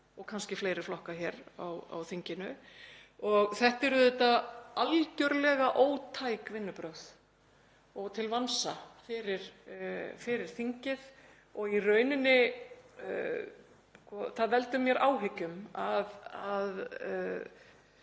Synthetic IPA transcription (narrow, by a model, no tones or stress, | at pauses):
ɔɣkʰanscɪfleːjɾɪɾflɔhkaçɛɾa̰wa̰wθiɲcɪnʏ | ɔɣθɛht̪ɛɾʏðɛt̪aalcœɾlɛɣaʔoːwt̪ʰaːjkvɪnːʏpɾœwð | ɔɣt̪ʰɪlvansafɪɾɪɾ̥fɪɾɪɾ̥θiɲcɪð | ɔɣirœːɥnɪnːɪ | skɔθaðvɛlt̪ʏmjɛɾʔaːwɦecʏmaðað